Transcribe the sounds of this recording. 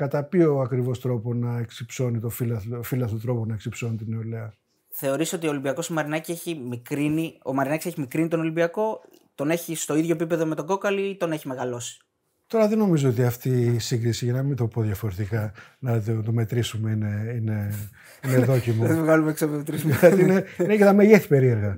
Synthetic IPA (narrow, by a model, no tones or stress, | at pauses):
kɐt̪ɐpio̞ɐkɾivo̞st̪ɾo̞ponɐeksipso̞nit̪ofilɐfilɐsot̪ɾo̞ponɐeksipso̞nit̪ine̞oleɐ | θe̞o̞ɾiso̞t̪iolibiɐko̞simɐɾinɐcie̞çimikɾinio̞̰mɐɾinɐcise̞çimikɾinit̪ono̞libiɐko̞ | t̪o̞ne̞çist̪o̞iðʝo̞epipe̞ðome̞t̪oɡo̞kɐliit̪o̞ne̞çime̞ɣɐlo̞si̥ | t̪o̞ɾɐðeno̞mizoot̪̬iɐft̪isiŋɡɾisiʝɐnɐmind̪o̞po̞ðʝɐfo̞ɾet̪ikɐnɐt̪t̪o̞me̞t̪ɾisume̞ineine | ineðo̞cimut̪ivɣɐlumeksomt̪ɾisuɐt̪inenecenɐmeʝeθi̥pe̞ɾie̞ɾɣɐ